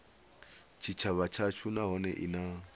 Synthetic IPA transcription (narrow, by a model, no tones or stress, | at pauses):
t͡ʃʰit͡ʃʰaβat͡ʃʰat͡ʃʰunaɦɔnɛʔina